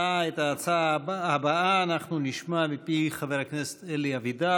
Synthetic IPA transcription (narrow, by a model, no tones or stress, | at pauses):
aet̪aːt͡saabaaːnaχnuniʃmamipiχaveɾaknese̥t̪eliavid̪a